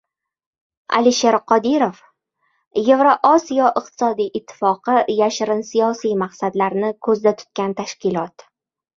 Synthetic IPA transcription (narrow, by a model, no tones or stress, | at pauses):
a̰liʃeɾqʰɒd̪iɾof | je̞vɾoʔɒsijɒʔɪqt̪ʰɨ̥ɪ̥sɒd̪ijʔɪt̪ʰːɪ̥fɒqʰɨjaʃɪɾɪnsijɒsijmaqsad̪laɾnɪkʰɵzd̪at̪ʰʊ̥t̪̚kʲant̪ʰaʃkʲɪlɒt̪